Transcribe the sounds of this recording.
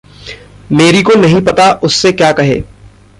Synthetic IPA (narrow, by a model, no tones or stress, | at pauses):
meːɾikonɐɦĩpɐt̪aʔʊsːekjaːkɐɦḛː